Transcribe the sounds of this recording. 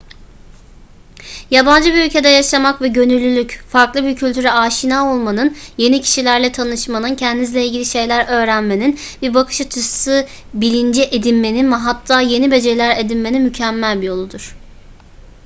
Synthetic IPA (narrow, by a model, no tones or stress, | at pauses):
jaband͡ʒɯbiylʲcʰe̞d̪ɛjaʃamakvɛɟø̞nylʲːylʲycfaɾklˠɯbiɾcʰylʲt̪ʰyɾɛaːʃinaːo̞lˠmanɯnje̞nicʰi̥ʃilʲæɾlʲɛt̪ʰanɯʃmanɯncʰɛnd̪inizlʲeilʲɟilʲiʃe̞jlʲæɾø̞ːɾænme̞nin | biɾbakʰɯ̥ʃɯt͡ʃʰɯsɯ | bilʲind͡ʒɛʔed̪inme̞ninmɛɦat̪ʰːaːje̞nibe̞d͡ʒe̞lʲæɾe̞d̪inme̞ninmycʰæmːælʲbijo̞lˠud̪uɾ̥